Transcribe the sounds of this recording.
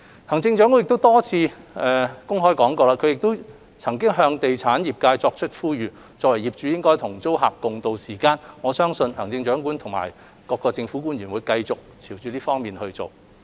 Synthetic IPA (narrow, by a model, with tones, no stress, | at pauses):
hɐ˨˩ŋt͡sɪ˧ŋt͡ʃœː˨˥ŋkɔ˧˥ɪ˨kt̪o˥wt̪ɔː˥t͡sʰiː˧ʔɛ˨kʊ˥ŋɦɔː˥jkɔː˨˥ŋkɔː˧laː˧kʰɵ˨˧jɪ˨k̚t̪o˥w | t͡sʰɐ˨˩ŋkɪ˥ŋɦœː˧ŋt̪e˨jt͡sʰaː˨˥njiː˨p̚kaː˧jt͡sɔː˧k̚t͡ʃʰɵ˥t̚fuː˥jyː˨˧ | t͡sɔː˧k̚wɐ˨˩jiː˨p̚t͡ʃyː˨˧jɪ˥ŋkɔː˥jt̪ʰʊ˨˩ŋt͡so˥wɦa̰ː˨p̚kʊ˨ŋt̪o˨wsiː˨˩kaː˧nŋɔː˨˧sœː˥ŋsɵ˧nhɐ˨˩ŋt͡sɪ˧ŋt͡ʃœː˨˧˥ŋkuː˨˥nt̪ʰʊ˨˩ŋma̰ː˨˩j | kɔː˧kːɔː˧t͡sɪ˧ŋfuː˨˥kuː˥njyː˨˩nwuː˨˧jkɐ˧jt͡sʊ˨k̚t͡sʰiː˨˩wt͡ʃyː˨˧liː˥fɔː˥ŋmiː˨nhɵ˧t͡so˨˩w